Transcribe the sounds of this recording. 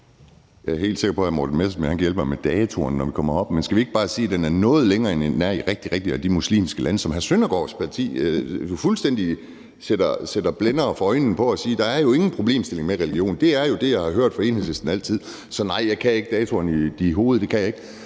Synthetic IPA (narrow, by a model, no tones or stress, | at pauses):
jɑ̈æɐɦe̝̰ːld̥se̝ɡ̥ɐpʰɒ̽hænmo̰d̥n̩mesmenhænkæjelbəmɑɪmed̥ɛːt͡sʰo̝ɐnːɒʋikʰɒ̽mɐɒ̽b̥mensɡ̥æʋie̝ɡ̥əb̥ɑ̈ːsiːæd̥enæɐnɔ̽ːð̞̩ˠleŋɐːenenːæɐ̰iʁɛɡ̥̚d̥iʁɛɡ̥d̥iæd̥imuslḭːmsɡ̥əlʔænəsɒ̽mɦæsønɐɡ̥ɒ̰ːspʰɑ̈t͡sʰḭːd̥ufulsd̥en̰d̥i | seɾ̥ɐsed̥ɐb̥lenɐːfɒɒ̽ɪnn̩pʰɒ̽æsiːd̥ɑ̈æɐjo̝e̝ŋn̩pʰʁo̝b̥le̝̰ːmsd̥e̝le̝ŋmeʁɛliɡ̥jo̝̰ːn̩d̥e̝æɐjo̝d̥e̝jɑ̈ɪhɑ̈ɦøɐ̰d̥fɒ̽e̝̰ːnhel̩ˠsesd̥n̩æl̰t͡sʰið̞̰ˠ | sɒ̽nɑ̈ɪ̰jɑ̈ɪkʰæe̝ɡ̥əd̥ɛːt͡sʰo̝ɐnid̥iɦo̝ːð̞̩ˠd̥e̝kʰæjɑ̈e̝ɡ̥